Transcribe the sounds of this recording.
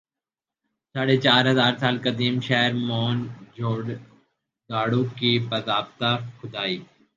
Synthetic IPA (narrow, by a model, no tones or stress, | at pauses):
saːɽet͡ʃaːɾɦɐzaːɾsaːlkəd̪iːmʃɛɦɾmɔːnd͡ʒʱoːɖ | d̪aːɽukibɐd̪aːbt̪axʊd̪aːiː